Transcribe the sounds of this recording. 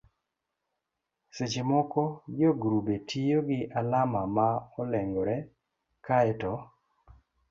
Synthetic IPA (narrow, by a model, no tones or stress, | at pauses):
set͡ʃɪmɔkɔd͡ʒoɡɾubetʰijoɡɪʔalamamaɔlɛŋɡɔɾɛ | kaɛtɔ